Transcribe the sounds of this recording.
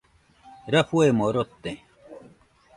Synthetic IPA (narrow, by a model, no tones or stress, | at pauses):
ɾɐfuemoɾot̪ːe